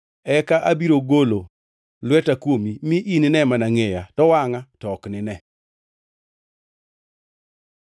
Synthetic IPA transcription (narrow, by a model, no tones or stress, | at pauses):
ɛkaʔabiɾoɡolo | lwɛtakwomimiʔinɪnɛmanaŋejatɔwaŋatɔknɪnɛ